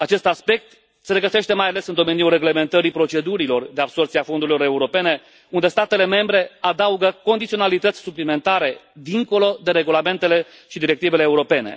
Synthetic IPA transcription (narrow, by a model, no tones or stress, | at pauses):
at͡ʃe̞st̪aspe̞k̚t̪ | seɾeɡəse̞ʃt̪e̞majale̞sɨnd̪o̞me̞niulre̞ɡle̞me̞nt̪əɾipɾo̞t͡ʃe̞d̪uɾilo̞rd̪e̞abso̞rt̪siafond̪uɾilo̞ɾe̞uɾo̞pe̞ne̞ | und̪e̞st̪at̪e̞le̞me̞mbɾe̞ad̪auɡəko̞nd̪it̪sio̞nalit̪ət̪sʲsuplime̞nt̪aɾe̞d̪iŋko̞lo̞d̪e̞ɾe̞ɡulame̞nt̪e̞le̞ | ʃid̪iɾekt̪ive̞leːuɾo̞pe̞ne̞̰